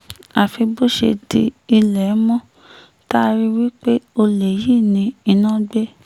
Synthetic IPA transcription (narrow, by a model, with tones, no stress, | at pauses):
a˨fi˧bo˦ʃḛ˧di˧i˧lɛ˨˦mɔ̃˦ | ta˦˧ɾi˦wi˦k͡pe˦o˧le˨jiː˦˨nĩ˧˦i˧nã˦ɡ͡be˦